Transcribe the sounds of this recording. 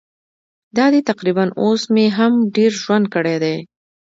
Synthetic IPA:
d̪ɑd̪et̪aqɾibanosmeɦamɖeɾʒwand̪̚kəɽed̪e

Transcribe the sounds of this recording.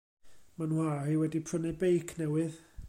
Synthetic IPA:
manwariwɛdipʰrənɨbejkʰnɛwɨð

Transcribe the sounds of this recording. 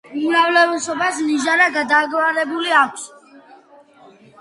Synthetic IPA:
uɾavlɛvɛsɔbasniʒaɾaɡad̪aːɡwaɾɛbuliakʷʰs

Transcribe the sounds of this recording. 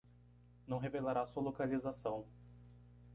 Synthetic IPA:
nɐ̃w̃ɦevelaɾasuɐlokalizasɐ̃w̃

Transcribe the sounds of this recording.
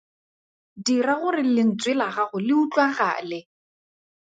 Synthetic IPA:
diraɣʊrɪlɪn̩t͡sʼwɪlaχaχʊlɪut͡ɬʼwaɣa̰ːlɪ

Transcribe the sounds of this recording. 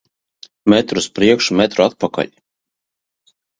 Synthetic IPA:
mɛt̪ɾuspɾiɛkʃumɛt̪ɾat̪̚paka̰lʲ

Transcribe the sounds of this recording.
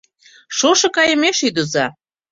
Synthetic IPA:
ʃoʃɤ̆kɑjə̆meʃid̪uzɑ

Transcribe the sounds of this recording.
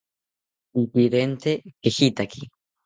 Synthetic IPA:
ipiɾent̪ekeʃit̪akʰi

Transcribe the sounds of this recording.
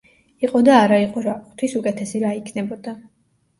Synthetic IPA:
iqʼɔd̪aːɾaiqʼɔɾaχt̪ʰwisukʼɛt̪ʰɛsiɾaikʰnɛbɔd̪a

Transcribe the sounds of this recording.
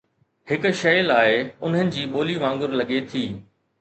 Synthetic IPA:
hɪk̆ʃɐjlaːɪʊn̤ənɪ̆d͡ʑiːɓoːliʋãːŋɡʊɾlɐɠet̪ʰiː

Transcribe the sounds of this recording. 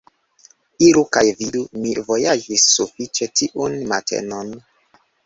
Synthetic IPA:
iɾukajvidumivojad͡ʒisːufit͡ʃetiʔunma̰tʰḛnon

